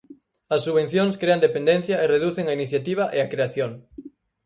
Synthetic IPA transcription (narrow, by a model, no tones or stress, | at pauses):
ɐsːuβen̟θjoŋskɾeand̪epẽnd̪en̟θjɐereðuθeŋainiθjat̪iβ̞ɐʔeɐkɾeaθjoŋ